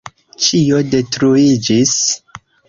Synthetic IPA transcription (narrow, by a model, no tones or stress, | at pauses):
t͡ʃio̞de̞tɾuid͡ʒis